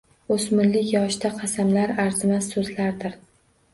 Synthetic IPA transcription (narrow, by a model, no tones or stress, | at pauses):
osmɪɾlɪkʲjɒʃd̪aqʰɑsamlaɾaɾzɪmasːɵzlaɾd̪ɪɾ